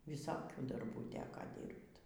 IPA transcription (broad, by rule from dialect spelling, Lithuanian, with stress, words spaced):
ʋʲɪˈsoːkʲuː dɐrˈbuː tʲɛkoː ˈdʲiːrpt